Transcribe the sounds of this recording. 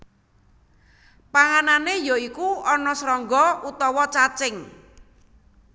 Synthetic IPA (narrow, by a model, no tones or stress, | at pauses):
paŋananejoikuɔnɔsɾɔŋɡɔut̪ɔwɔt͡ʃat͡ʃɪŋ